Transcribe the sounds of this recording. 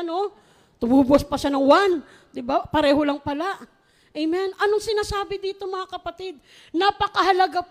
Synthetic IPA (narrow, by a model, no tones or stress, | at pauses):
no̞ | t̪ʊmuːbʊɐspɐʃanɐŋwan | d̪ɪbapɐɾɛːɦo̞lɐŋpɐlaʔ | ʔɛjmɛnʔɐnoŋsɪnaːsaːbɪd̪iːt̪o̞mɐŋakɐpɐt̪ɪd̪̚ | napɐkɐɦɐlɐɡap